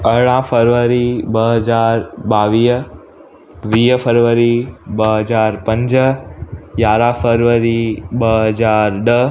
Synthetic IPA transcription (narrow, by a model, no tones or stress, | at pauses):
əɭãpʰəɾʋəɾibəɦəd͡ʒaɾbaʋi | ʋijəpʰəɾʋəɾibəɦəd͡ʒaɾpəɲd͡ʒ | jaɾãpʰəɾʋəɾibəɦəd͡ʒaɾd̪ə